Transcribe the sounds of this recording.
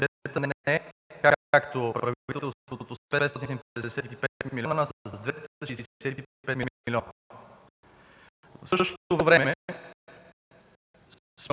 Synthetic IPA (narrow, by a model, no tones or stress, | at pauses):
ɛt̪ənɛnɛkaakt̪opɾɐvvit̪ɛt̪ɛlˠst̪vot̪osɛɛst̪ɔt̪it̪inipd̪ɛɛsɛt̪it̪ipɛt̪milʲiɔnnɐsəzzd̪vɛt̪t̪əʃisisɛt̪it̪ipɛt̪mimiliɔn | fsɤʃʃt̪ovəvɾɛmɛmɛ | s